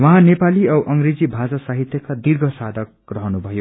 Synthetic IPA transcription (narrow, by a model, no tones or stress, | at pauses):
wʌɦãnepaliʌwʔʌŋred͡zibʱad͡zʌsaɦit̪jʌkad̪irɡʱʌsad̪ʱʌk | rʌɦʌnubʱʌjo